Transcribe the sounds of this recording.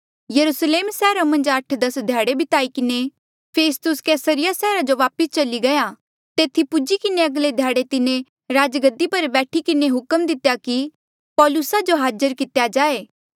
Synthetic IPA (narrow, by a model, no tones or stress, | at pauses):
jɐɾusleːmsɛːɾamɐ̃nd͡ʒɐʈʰd̪ɐsd̪ʱjaːɽebʱɪt̪aːikɪne | pʰeːst̪ʊskɛːsəɾɪjasɛːɾad͡ʒoʋaːpəst͡ʃɐliɡɐja | t̪eːt̪ʰipʊd͡ʒikɪneɐɡled̪ʱjaːɽet̪ɪne | ɾaːd͡ʒɡəd̪ipɐɾbɛːʈʰikɪneɦʊkəmd̪ɪt̪jaki | pɔːlʊsad͡ʒoɦaːd͡ʒəɾkɪt̪jad͡ʒaːeː